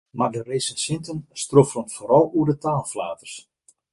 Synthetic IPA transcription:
mardəreːsəsɪntənstrofrənfoːɾɔlˠuədətaːlˠflaːtərs

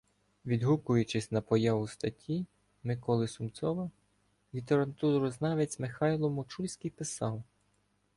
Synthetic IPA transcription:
ʋʲid̪ɦukʊjʊt͡ʃɪsʲnɐpɔjɑʋʊst̪ɐtʲʰi | mɪkɔlˠɪsʊmsɔʋɐ | lʲit̪eɾɐt̪uɾɔznɑʋet͡sʲmɪxɑjlˠɔmɔt͡ʃulʲsʲkijpɪsɑw

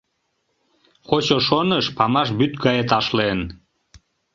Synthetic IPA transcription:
χot͡ɕoʃonəʃpɑmɑʃbyt̪ɡɑjet̪ɑʃlen

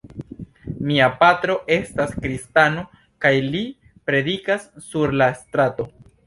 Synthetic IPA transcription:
miapatɾo̞ʔe̞staskɾistano | kajli | pɾe̞dikasːuɾlastɾato̞

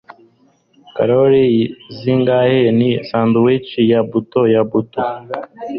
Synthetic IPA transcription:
ka̰ɾoɾiziŋɡahenisaːnduwit͡ʃijabutojabuto

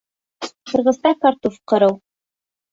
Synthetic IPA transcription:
qɤ̆ɾʁɤ̆zt̪ɑkɑɾt̪ufqɤ̆ɾɤw

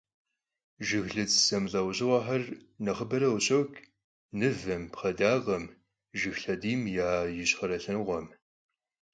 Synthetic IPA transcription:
ʒɪxɮɨt͡ssɐmɮɐwʑɪwʷɑːħɐrnɐχəbɐɾɐwɕʼowkʰ | nɨvɐmpχɐdaːʁɐm | ʒɪxɬɐdiːmjaːjɪɕχɐɾɐɬɐnʁʷɔm

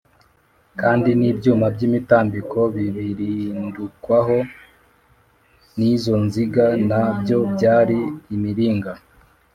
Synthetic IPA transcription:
kaːndinibjuːmabɟiːmitaːmbikʰo̞βiβiɾindukwaɦo̞ | nizo̞nziɡanabjo̞bɟaːɾiːmiɾiːŋɡa

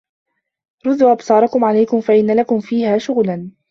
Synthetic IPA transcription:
ɾʊðuːʔabsˤɑːɾˤɑkʊmʕalajkʊmfaʔɪnːalakʊmfiːhaːʃʊɣlan

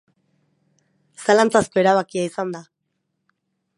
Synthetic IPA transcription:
salant͡sasko̞e̞ɾaβakiaisand̪a

